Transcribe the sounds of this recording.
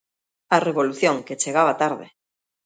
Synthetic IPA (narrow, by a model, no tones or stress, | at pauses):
areβoluθjõŋket͡ʃeɣaβat̪aɾðḛ